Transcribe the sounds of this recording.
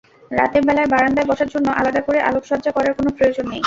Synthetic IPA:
ɾa̰t̪eɾbɛlabaɾand̪aebɔʃaɾd͡ʑonːoʔa̰lad̪akoɾeʔa̰lokʃɔɾd͡ʑakɔɾaɾkonopɾojod͡ʑonːej

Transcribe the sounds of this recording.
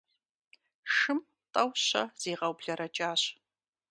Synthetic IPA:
ʂɨm | tʼɐwɕɐ̰z̥eːʁɐwbɮɐɾɐt͡ʃʼaːɕ

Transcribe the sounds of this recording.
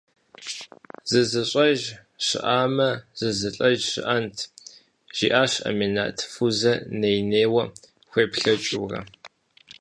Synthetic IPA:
zɨzɨɕʷʼɐʒ | ɕɨ̰ʔaːmɐz̥ɨzɨɬʼɐʒɕɪ̰ʔɐntʰ | ʒ̥ḭːʔaːɕɐ̰mena̰ːtʰfuzɐnejneːwɐ | xʷeːpɬɐt͡ʃʼuːrɐ̰

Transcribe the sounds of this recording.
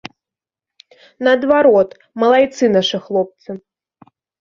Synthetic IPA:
nɐːd̪vaɾɔt̪ | mɐlˠajt̪sɨnaʂɨxlˠɔp̚t̪sɨ

